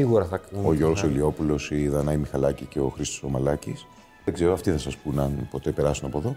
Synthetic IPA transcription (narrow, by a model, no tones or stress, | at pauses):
iɣuɾɐθɐkoʝo̞ɾɣosoilio̞pulo̞siðɐnɐimixɐlɐcice̞o̞xɾist̪osomɐlɐcḭs | ðe̞ɡze̞ɾoɐft̪iθɐsɐspunɐnpo̞t̪e̞pe̞ɾɐsunɐpoðo̞